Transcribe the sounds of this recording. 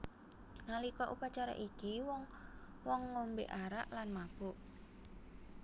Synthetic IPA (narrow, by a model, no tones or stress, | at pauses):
nalikɔʔupat͡ʃaɾa̰ʔikiwɔŋ | wɔŋːombḛʔaɾa̰ʔlanmab̥ʊʔ